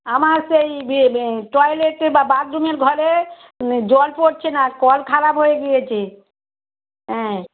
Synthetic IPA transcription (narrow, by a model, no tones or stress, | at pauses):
amaɾsejbʈɔjleʈeɾbabaɾd̪umeɾɡʱɔɾe | d͡ʑɔlpoɾt͡ɕʰenakɔlkʰaɾapɦojeɡijet͡ɕʰe | ɦɛ̃